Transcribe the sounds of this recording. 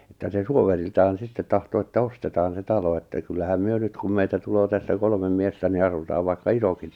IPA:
etːæ se suoʋeriltɑːn̞ sitːet tɑhto etːæ ostetɑːn se tɑlo etːæ kylːæhæm myø nyt kum meitæ tuloː tæsːæ kolmem miestæ ni ɑsutɑːʋ ʋɑikːɑ isokit

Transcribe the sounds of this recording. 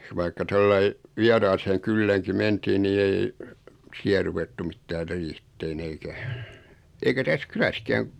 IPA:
ʋɑikːɑ tolːɑi ʋiɑrɑːseːŋ kylːæːŋki mentiːn niː ei siæ ruʋetːu mitːæːr riːhitːeːn eikæ eikæ tæs kylæskæːŋ

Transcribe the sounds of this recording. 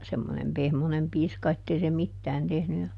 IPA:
semːonem pehmonem piːskɑ etːei se mitːæːn tehny jɑ

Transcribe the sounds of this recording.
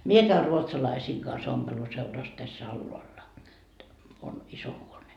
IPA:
mie kæy ruotsɑlɑisiːŋ kɑns ompeluseurɑs tæsː ɑlːoɑlːɑ on iso huone

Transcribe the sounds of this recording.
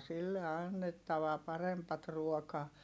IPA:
silːe ɑnːetːɑʋɑ pɑrempɑt ruokɑː

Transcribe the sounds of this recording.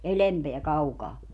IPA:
elempeæ kɑukɑː

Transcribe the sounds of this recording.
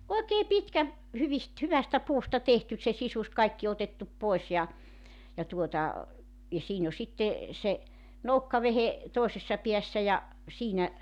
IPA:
oekeː pitkæ hyʋist hyʋæstæ puːstɑ tehtys se sisus kɑikːi otetːup poes jɑ jɑ tuotɑ jɑ siːn o sitːe se noukːɑʋehe toˑesesːɑ piæsːæ jɑ siːnæ

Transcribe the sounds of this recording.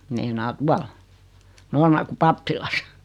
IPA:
meinɑː tuɑl noːrmɑrku pɑpːilɑs

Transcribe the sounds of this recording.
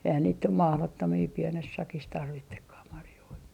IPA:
eihæn niːt nym mɑhlotːomiː pienes sɑkis tɑrʋitːekːɑh mɑrjoi

